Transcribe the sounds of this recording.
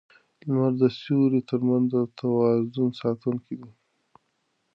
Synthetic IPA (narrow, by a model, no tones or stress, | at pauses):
lmaɾd̪əsuɾet̪əɾmanzd̪ət̪ʰawɑzunsɑt̪uŋkid̪i